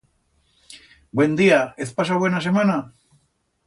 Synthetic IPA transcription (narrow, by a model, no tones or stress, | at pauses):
bwe̞nd̪iaeθpas̬aβwe̞nas̬e̞mana